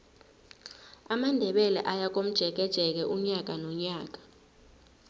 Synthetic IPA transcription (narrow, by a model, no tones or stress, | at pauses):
amandʱɛɓɛlɛ̰ʔajak̬ʼom̩d̥ʒ̥ʱɛk̬ɛd̥ʒ̥ʱɛk̬ɛʔuɲak̬anɔɲaːk̬ʼḁ